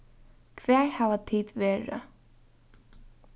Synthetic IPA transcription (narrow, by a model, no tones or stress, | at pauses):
kʰvɛːɹhavat̪ʰiːt̪vɛːɾa̰